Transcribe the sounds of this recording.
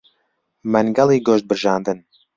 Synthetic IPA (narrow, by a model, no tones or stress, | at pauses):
mænɡɑlˠiːɡoʃt̪̚bɨɾʒɑːnd̪ɨn